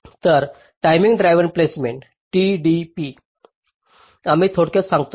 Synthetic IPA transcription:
t̪əɾ | ʈajmiŋɡɖɾajʋənplesmeɳʈ | ʈiɖipi | amiːt̪ʰoɽket͡ssãŋɡt̪o

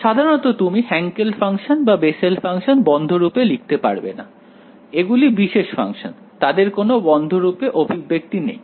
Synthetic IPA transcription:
ʃad̪ʱaɾonot̪ot̪umihɛŋkelfʰaŋʃonbabeselfʰaŋʃonbɔnd̪ʱoɾupelik̚ʰt̪epa̰ɾbḛna̰ | eɡulibiʃeʃfa̰ŋʃo̰n | t̪ad̪eɾkonobɔnd̪ʱoɾupeʔobʱibek̚t̪inḛj

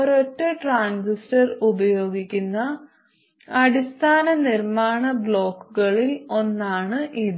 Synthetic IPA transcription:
ɐɾotːɐʈraːnsistɐrubɐjo̞ːɡikʲːunːɐ | ɐɽist̪ʰaːnɐnirmaːɳɐbɭo̞ːkːuɣɐɭilo̞nːaːɳɨʔiðɨ

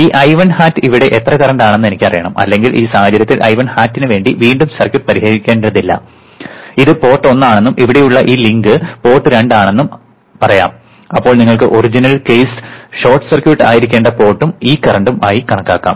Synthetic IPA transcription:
iːʔɐjʋɐnhaːtːɨiʋiɽe̞ʔet̪rɐkɐrɐɳɖaːɳenːe̞nikʲːpɐrijɐɳɐmɐ̰lːe̞ŋɡilʔiːsaːhɐd͡ʑɐɾjɐt̪ːilʔɐ̰jʋɐnhaːtːinɨʋe̞ːɳɖiʋiːɳɖumsɐrkjuʈːɨpɐɾihɐɣikʲːe̞ːɳɖiɽɐðilːɐ̰ | iðɨpo̞ːʈːo̞nːaːɳe̞nːumʔiʋiɽe̞juɭːɐʔiːliŋɡɨpo̞ːʈːɨɾe̞ɳɖaːɳe̞nːum | pɐrɐja̰ːm | ɐpːoːɭniŋːɐɭkɨʔorid͡ʑinɐlkejsɕo̞ːrʈːɨ̥sɐrkjuʈːaːjiɾikʲːe̞ːɳɖɐpo̞ːʈːumiːkɐrɐɳɖumʔaːjikɐɳɐkːaːkːa̰ːm

